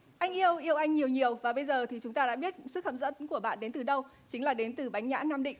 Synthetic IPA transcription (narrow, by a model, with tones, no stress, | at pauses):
ʔa˧jŋ̟ʔi˧əwʔi˧əwʔa˧jŋ̟ɲi˨˩əwɲi˨˩əwvaː˨˩ɓə˧jzəː˨˩t̪ʰi˨˩t͡ɕʊ˨˦ŋ͡mt̪aː˧ɗa̰ː˧˥ɓi˦˥ət̚sɨ˦˥k̚hə̰˧˩p̚zə̰˧˥nku˧˩əɓa̰ː˧˨nɗe˨˦nt̪ɨ˨˩ɗə˧w | t͡ɕï˨˦ŋ̟laː˨˩ɗe˨˦nt̪ɨ˨˩ɓa˨˦jŋ̟ɲa̰ː˧˥naː˧mɗḭ˧˨ŋ̟